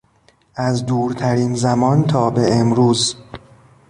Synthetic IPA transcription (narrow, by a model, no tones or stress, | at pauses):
ʔæzd̪uːɾt̪ʰæɾiːnzæmɒːnt̪ʰɒːbeemɾuːz